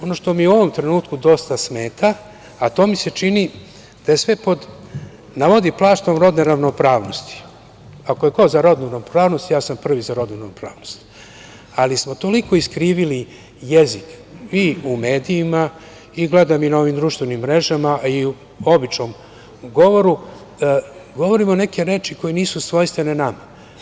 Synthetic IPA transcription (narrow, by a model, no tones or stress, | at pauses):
o̞noʃt̪o̞miuo̞ʋo̞mt̪ɾe̞nuːt̪kud̪o̞st̪asme̞ːt̪ʰaː | t̪o̞ːmise̞t͡ʃini | d̪̥ajesʋe̞po̞d̪ | naʋo̞d̪iplˠaːʃt̪omɾo̞d̪neɾaʋno̞pɾaːʋno̞st̪i̥ | ako̞je̞kozaɾo̞d̪nuɾaʋnopɾaːʋno̞st̪jaːsampr̩ʋizaɾo̞d̪nuɾanopɾa̰ːʋnost̪ | alismo̞t̪o̞liko̞iskɾiːʋili | jezikiumeːd̪iːma | iɡled̪aminao̞ʋimd̪ɾuʃt̪ʋenimːɾe̞ʒamaiu | o̞bit͡ʃnom | ɡo̞ʋo̞ɾu | ɡo̞ʋoɾimone̞ke̞ɾe̞ːt͡ʃiko̞jeniːsusʋo̞jst̪ʋenenama